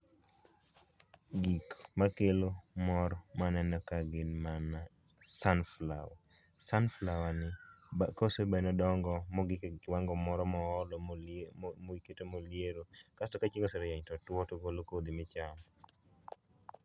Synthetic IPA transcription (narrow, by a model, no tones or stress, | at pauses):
ɡikmakelomɔɾmanɛnɔkaɡɪnmana | sanfla̰wa | sanflawanɪbakosebanɔdɔŋɡɔmɔɡɪwaŋɡɔmɔɾɔmɔɔlɔ | moiketomoljeɾokastɔkat͡ʃiŋɡoseɾɛjaɲtɔtwɔtoɡolokod̪imɪt͡ʃam